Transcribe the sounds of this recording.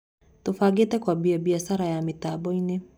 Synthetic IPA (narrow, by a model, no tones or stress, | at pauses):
tufaɡitɛkwaɓiabiaʃaɾajamitaɓɔini